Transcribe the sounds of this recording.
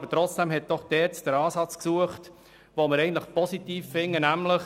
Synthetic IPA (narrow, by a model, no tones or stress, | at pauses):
bətɾɔt͡sd̥ɛmɦɛt̚d̥ɔχd̥ɛːɾt͡sd̥əɾɑːsɑt͡sksuəχt | ʋoməɾɛɪən̩t̪ləχpɔsitiːfːɪŋːənæmləχ